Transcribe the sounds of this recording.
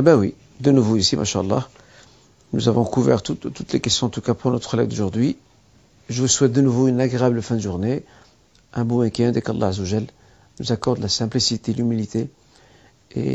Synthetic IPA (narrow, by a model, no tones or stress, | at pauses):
bæwi | d̪ənuvoisimʔa̰ʃaɑlˤːɑ | nuzavɔ̃kuvɛ̰ʁt̪ut̪ut̪lekɛst̪jɔ̃ɑ̃t̪ukapʰuʁnɔt̪χəlɛ̰vd̪oʒuʁd̪ɥi | ʒəvuswɛt̪̚d̪ənuvoynaɡʁeabləfɛ̃d̪əʒuʁne | ʔɛ̃bɔ̃wɛ̃kɛ̃d̪ɛkɑlˤːɑ̰ʕazːəwaʒɛlː | nuzakɔʁd̪lasɛ̃plisit̪elymilit̪e | ḛ